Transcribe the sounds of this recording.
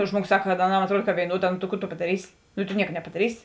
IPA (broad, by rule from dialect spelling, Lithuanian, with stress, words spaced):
ˈʒmuɔˌɡoːs ˈsɐk kɐt ɐˈnɐm ɐtˈruɔt kɐ ʋʲeːɪˈnuɔˌdɑː noː tɐ ˈkʊ tʊ pɐdɐˈrʲiːsʲɪ nʊ tʊ ˈnʲiɛkɐ nʲɛpɐdɐˈrʲiːsʲɪ